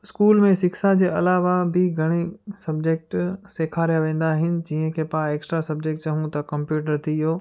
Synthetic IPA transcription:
ɪskuːlmẽsɪksad͡ʑeːɐlaːʋabɪɡʱɐɽ̃esɐb̚d͡ʑeːk̚ʈseːkʰaːɾijaʋẽːn̆d̪aːɦɪnɪ̆d͡ʑiːɦə̃kʰeːpãeːksʈɾasɐb̚d͡ʑek̚ʈt͡ɕɐɦũt̪ɐkɐ̃mpjuːʈ̬əɾt̪ʰijoː

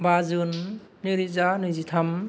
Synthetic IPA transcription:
bazɯnːiɾizanɯzit̪ʰam

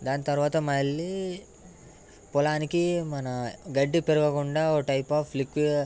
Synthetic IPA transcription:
d̪aːnit̪ɐɾuʋaːt̪ɐmɐlːi | pɔlaːnikimɐnɐɡɐɖːipeɾuɡɐkuɳɖaːoːʈɐjpaːflikʋi

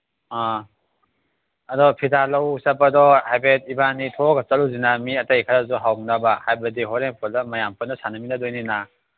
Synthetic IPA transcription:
a | ɐdɔpʰidalɐwsɐpːɐdɔhajbet̚ibanitʰoɡɐt͡ʃɐɾuzinamiɐtɐjkʰaɾazuɦawnabahajbɐdiɦɔɾeŋpʰɔldamɐjampɐnasanɐminadojnina

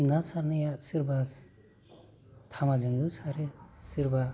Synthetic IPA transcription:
ŋasaɾnɯjasiɾbas | t̪ʰamad͡ʒɯŋdusʰaɾesiɾba

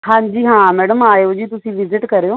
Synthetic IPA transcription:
ɦãːɲd͡ʒiːɦãːmɛːɽəmaːjoːd͡ʒiːt̪ʊsĩːʋɪzɪʈkəɾeoː

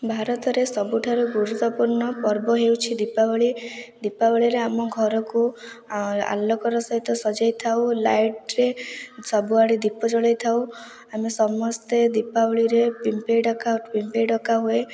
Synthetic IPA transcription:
bʱaɾɔt̪ɔɾesɔbuʈʰaɾuɡuɾut̪ːɔpuɾɳɔpɔɾbɔɦewt͡ʃʰid̪ipabɔɭid̪ipabɔɭiɾeamɔɡʱɔɾɔku | a̰lːɔkɔɾɔsɔɦit̪ɔsɔd͡ʒajt̪ʰawlajʈɾesɔbuaɽid̪ipɔd͡ʒɔɭajt̪ʰaw | amesɔmɔst̪ed̪ipabɔɭiɾepimpeɖɔkapimpeɖɔkaɦue

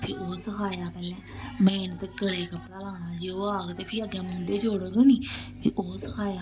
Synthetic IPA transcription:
pʰɪoːsəkʰaːjaːpɛːlɛ̃ːmẽːɪnt̪ɡəɽeːkəpɽaːlaːnãːd͡ʒeːoːaːɡt̪eːpʰɪəɡɛ̃ːmʊ̃nd̪eːd͡ʒoːɽəɡoːniːpʰɪ̰ʔoːsəkʰaːjaː

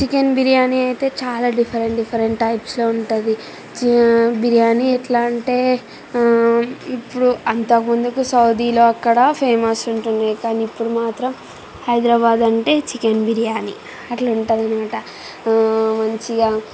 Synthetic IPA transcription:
t͡ʃikenbiɾijaːniɐjt̪e̞ːt͡ʃaːlaːɖipʰɐɾeɳʈɖipʰɐɾeɳʈʈɐjpsloːuɳʈund̪i | t͡ʃbiɾijaːniɛʈlaːɳʈe̞ː | ipːuɽuɐnt̪ɐkɐmund̪ukusɐwd̪iːloːɐkːɐɽɐpʰeːmɐsuɳʈunajikaːniːpːuɽumaːt̪ɾɐm | hɐjd̪ɾɐbaːd̪ɐɳʈe̞ːt͡ʃikenbiɾijaːnḭ | ɐʈlɐuɳʈaːd̪ɐnimaːʈɐ | mɐɲt͡ʃiɡaː

